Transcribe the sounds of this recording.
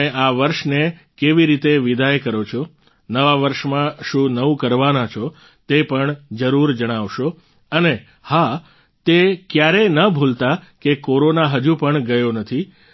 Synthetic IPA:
eʔaʋəɾʃne | keʋiɾit̪eʋid̪ajekəɾot͡ʃʰo | nəʋaʋəɾʃmãʃũnəũkəɾʋanat͡ʃʰo | t̪epəɳd͡ʒəɾuɾd͡ʒəɽ̃aʋʃo | əne | ha | t̪ekjaɾenəbʱult̪akekoɾonaɦəd͡ʒũpəɳɡəjonət̪ʰi

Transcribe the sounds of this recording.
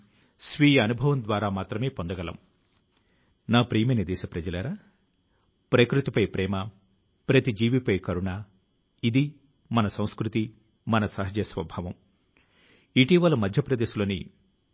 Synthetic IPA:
sʋiːjɐɐnubʱɐʋɐmd̪ʋaːɾaːmaːt̪ɾɐme̞ːpond̪ɐɡɐlɐ̰m | naːpɾiːmɐnɐd̪ɛːʃɐpɾɐd͡ʒɐlaːɾaː | pɾɐkɾut̪ipɐjpɾɛːmɐ | pɾɐt̪id͡ʒiːʋipɐjkɐɾuɳaː | id̪i | mɐnɐsɐ̃w̃skɾut̪i | mɐnɐsɐɦɐd͡ʒɐjɐsʋɐbʱaːʋɐm | iʈiʋɐlɐmɐd̪ʱjɐpɾɐd̪eːʃiloːnḭ

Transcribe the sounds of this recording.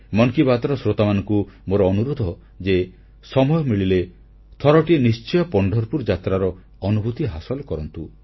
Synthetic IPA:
mɔŋkibat̪ɔɾɔsɾot̪amanɔ̃ŋkumoɾɔːnuɾod̪ʱɔ | d͡ʒe | sɔmɔjɔmiɭile | t̪ʰɔɾɔʈienist͡ʃɔjɔpɔɳɖʱɔɾpuɾd͡ʒat̪ɾaɾɔ | ɔnubʱut̪iɦasɔlɔkɔɾɔnt̪u

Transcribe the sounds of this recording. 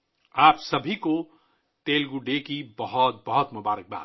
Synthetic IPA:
aːpsɐbʱiko | t̪eːlɡuɖekibɐɦʊt̪̚bɐɦɔt̪mʊbaːɾək̚ba̰ː

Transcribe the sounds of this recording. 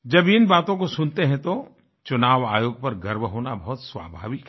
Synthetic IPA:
d͡ʒɐbɪnbaːt̪õkosʊnt̪eɦɛ̃t̪o | t͡ʃʊnaːʋa̰ːjoːɡ̚pɐɾɡɐɾmɦoːnabɐɦʊt̪sʋa̰ːbʱa̰ːʋɪk

